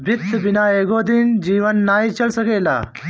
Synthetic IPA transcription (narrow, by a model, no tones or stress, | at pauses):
bʱɪt̪ʰːbinaːeːɡoːd̪ind͡ʑiːʋɐnːaːit͡ʃɐlsɐkeːla̰ː